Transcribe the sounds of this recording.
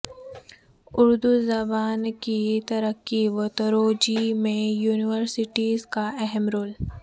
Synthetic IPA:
ʊɾd̪uzɐbaːnkit̪ɐɾəkːiʋot̪əɾoːd͡ʒimẽjuːnɪʋəɾsɪʈiːzkaʔɛɦɛmɾoːl

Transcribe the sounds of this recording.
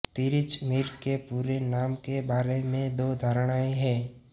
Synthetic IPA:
t̪iːɾɪt͡ʃmɪɾkepuːɾenaːmkebaːɾemẽd̪oːd̪ʱaɾɽ̃aːeɦɛ̃ː

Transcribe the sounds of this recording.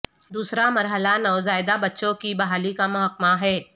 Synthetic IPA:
d̪uːsɾamɐɾɦəlanɔːzaːɪd̪abɐtːʃõkibɐɦaːlikamʊɦəkmaɦɛː

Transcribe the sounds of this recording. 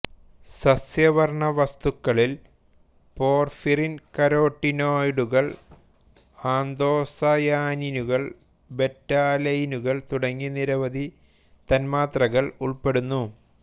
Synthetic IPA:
sɐsjɐʋɐrɳɐʋɐst̪ukːɐɭil | po̞ːrfirinkɐɾoːʈːinoːjɽuɣɐɭ | aːnd̪o̞ːsɐjaːninuɣɐɭ | betːaːlɐjinuɣɐɭt̪uɽɐŋːiniɾɐʋɐd̪i | t̪ɐnmaːt̪rɐɣɐɭuɭpe̞ɽunːu

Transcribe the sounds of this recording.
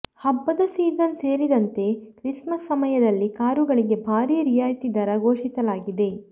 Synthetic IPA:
hɐbːɐd̪ɐsiːzɐnse̞ːɾid̪ɐnt̪e̞kɾiʂmɐsːɐmɐjɐd̪ɐlːikaːɾuɡɐɭiɡe̞bʱaːɾiːjɐɾijaːjt̪id̪ɐɾɐɡoːʃisɐlaːɡid̪e̞

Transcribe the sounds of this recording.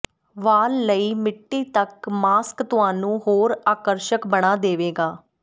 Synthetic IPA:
ʋaːlːəiːmɪʈːiːt̪əkmaːskt̪ʊɦaːnũːɦoːɾaːkəɾʃəkbəɽ̃aːd̪eːʋeːɡaː

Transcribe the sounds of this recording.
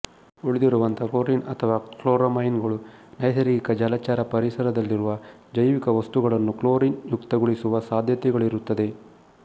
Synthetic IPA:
uɭid̪iɾuʋɐnt̪ʰɐkoːɾinɐt̪ʰɐʋaːkɭoːɾɐmɐjnɡɐɭunɐjsɐɾiɡikɐd͡ʒalaːt͡ʃaːɾɐpɐɾisɐɾɐd̪ɐlːiɾuʋɐ | d͡ʒɐjʋikɐʋɐst̪uɡɐɭɐnːukloːɾinjukt̪ɐɡuɭisuʋɐsaːd̪ʱjɐt̪ɛɡɐɭiɾut̪ːɐd̪e̞

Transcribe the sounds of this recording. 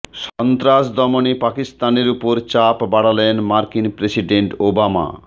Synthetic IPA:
ʃɔnt̪ɾaʃd̪ʱɔmonipakist̪aneɾupoɾt͡ɕapbaɽalenmaɾkinpɾesiɖeɳʈobama̰

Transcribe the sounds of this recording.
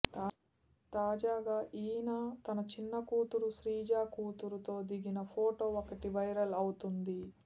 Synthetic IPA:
t̪ː | t̪aːd͡ʒaːɡaːʔiːnaːt̪ɐnɐt͡ʃinːɐkuːt̪uɾuʃɾiːd͡ʒaːkuːt̪uɾut̪o̞ːd̪iɡinɐpʰoːʈo̞ːokɐʈiʋɐjɾɐlɐwut̪und̪i

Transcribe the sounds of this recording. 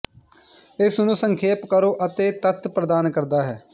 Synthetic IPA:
ɪsnũːsəŋkʰeːpkəɾoːʔət̪eːt̪ət̪ʰpɾəd̪aːnkəɾd̪aːɦɛː

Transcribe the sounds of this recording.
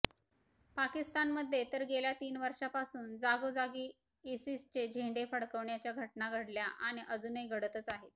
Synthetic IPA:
pakist̪anməd̪ʱːjet̪əɾɡeljat̪iːnʋəɾʂapasuːnd͡zaɡod͡zaɡiː | esist͡ɕed͡ʑʱẽɳɖefəɽkəʋɳjat͡ɕjaɡʱəʈnaɡʱəɽljaʔaɽ̃iʔəd͡zunəiɡʱəɽət̪ət͡saɦe

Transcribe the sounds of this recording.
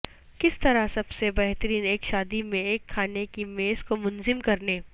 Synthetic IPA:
kɪst̪ɐɾasɐbsebɛɦt̪əɾiːneːkʃaːd̪imẽeːkʰːaːnekimeːzkomʊnzɪmkɐɾneː

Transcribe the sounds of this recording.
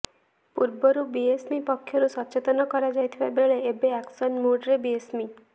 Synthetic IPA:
puɾbɔɾubiesmipɔkʰːjɔɾusɔt͡ʃet̪ɔnɔkɔɾad͡ʒajt̪ʰibabeɭeebeaksɔnmuɖɾebiesmi

